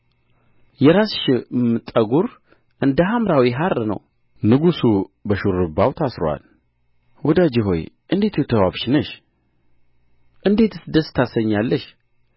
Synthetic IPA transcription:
jɛɾasʃmɨt̪ʼːəɡuɾ | ʔɨnd̪əɦamɾawiɦaɾnə̰w | nɨɡusubəʃuɾɨbawt̪ʰasɾowa̰l | wɔd̪ad͡ʒɪɦo̞̰j | ʔɨnd̪e̞t̪ʰujɛt̪ʰəwaβʃnəʃ | ʔɨnd̪e̞t̪ɨsɨd̪əst̪ʰasəɲːalːəʃ

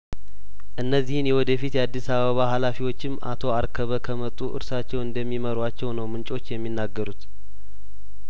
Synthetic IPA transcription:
ʔɨnːəzːihɨnjɛwɔd̪əfit̪jɛad̪ːisaβəβaɦalafiwo̞t͡ʃːɪmːʔa̰t̪ʰo̞aɾkʰəβəkʰəmət̪ʼːuʔɨ̰ɾsat͡ʃːɛwɨnd̪əmːiməɾwat͡ʃːɛwnəwmɨnt͡ʃʼo̞t͡ʃːjɛmːinːaɡːəɾut̪

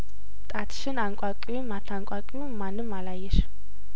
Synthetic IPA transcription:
t̪ʼat̪ʰʃɨnaŋkʷʼakʼiwumat̪ʰaŋkʷʼakʼijumanːɨmːalajɛʃ

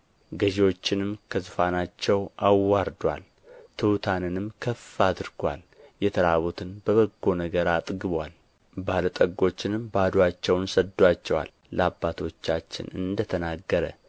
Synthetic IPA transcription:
ɡəʒewo̞t͡ʃːɪnɨmkʰəzɨfanat͡ʃːɛwʔawːaɾd̪wa̰l | t̪ʰɨwt̪ʰanɨnɨmkʰəfad̪ɨɾɡwa̰l | jɛt̪ʰəɾaβot̪ʰɨnbəβəɡːo̞nəɡəɾat̪ʼɡɨβwal | balət̪ʼəɡo̞t͡ʃːɪnɨmbad̪wat͡ʃːɛwnsəd̪ːat͡ʃːɛwa̰l | ləabːat̪ʰo̞t͡ʃːat͡ʃːɪ̰nɨ̰nd̪ət̪ʰənaɡːəɾə̰

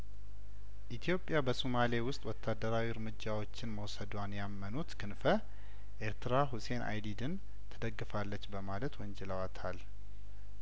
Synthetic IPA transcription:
ʔit̪ʰijo̞pʼːjabəsumale̞wʊst̪ʼwɔt̪ʰːad̪ːəɾawiɨɾmɨd͡ʒːawo̞t͡ʃːɪnməwsəd̪wanjamːənut̪kʰɨnfə | ʔe̞ɾt̪ɨɾaɦuse̞nʔa̰jd̪id̪ɨn | t̪ʰəd̪əɡːɨfalːət͡ʃːbəmalət̪wɔɲd͡ʒɛləwat̪ʰal

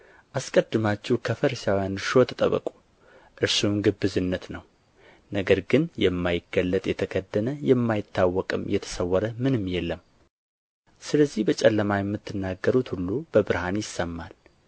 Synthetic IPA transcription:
ʔaskʼəd̪ːɨmat͡ʃːuhkʰəfəɾisawjanɾʃo̞t̪ʰət̪ʼə̰βə̰kʼu | ʔɨɾsunɡɨbːɨzɨnːət̪nəw | nəɡəɾɡɨnjɛmːajɪɡəlːət̪ʼjɛt̪ʰəɡʰəd̪ːənəjɛmːajɪt̪ʰːawːɔkʼɨmjɛt̪ʰə̥səwːɔɾəmɨnɨmːjɛlːəm | sɨləzːihbət͡ʃʼɛlːəmajɛmːɨt̪ʰːɨnːaɡːəɾut̪hulːubəbɨɾhanjɪsːəmːal

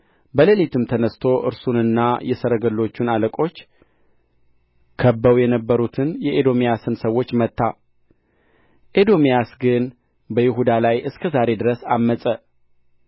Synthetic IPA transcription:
bəlelit̪ʰɨmt̪ʰənəst̪ʰo̞ʔɨ̰ɾsunɨnːajɛsəɾəɡəlːo̞t͡ʃːunaləkʼo̞t͡ʃː | kʰəbːəwjɛnəbːəɾut̪ʰɨnjɛʔed̪o̞mijasɨnsəwːo̞t͡ʃːmət̪ʰːa | ʔed̪o̞mijasɡɨn | bəjɪɦud̪alajʔɨskʰəzaɾe̞d̪ɨɾəsamːəsʼə

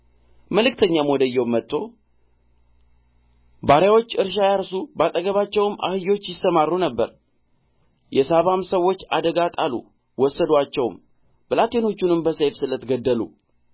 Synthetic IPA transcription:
məlɨkt̪ʰəɲːamwɔd̪əjːɛwmːət̪ʰʼːo̞ | baɾjawo̞t͡ʃːɨɾʃ̬ajaɾsubat̪ʼəɡəβat͡ʃːɛwma̰hɨjo̞t͡ʃːjɪsːəmarːunəbːəɾ | jɛsaβamsəwːo̞t͡ʃːa̰d̪əɡat̪ʼalṵ | wɔsːəd̪at͡ʃːɛwm | b̥ɨlat̪ʰe̞no̞t͡ʃːunɨmbəsejfsɨlət̪ɡəd̪ːəlṵ

